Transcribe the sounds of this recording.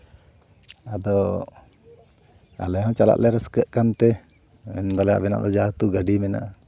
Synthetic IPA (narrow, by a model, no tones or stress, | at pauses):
ad̪ɔ | a̰lɛɦɔ̃t͡ʃala̰ʔlɛɾəskəʔkant̪ɛ | ɛ̰nd̪alɛja̰ʔbɛna̰ʔd̪ɔd͡ʒat̪uɡaɖimɛna̰ʔ